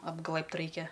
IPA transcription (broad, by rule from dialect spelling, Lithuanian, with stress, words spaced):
ɐbˈɡlˠɘ pt ˈrɐɪkʲɛ